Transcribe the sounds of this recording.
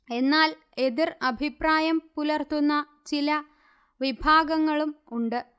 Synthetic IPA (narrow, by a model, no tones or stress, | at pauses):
e̞nːaːl | e̞ðirɐbʱipraːjɐmpulɐrt̪unːɐ | t͡ɕilɐ | ʋibʱaːɡɐŋːɐɭumuɳɖɨ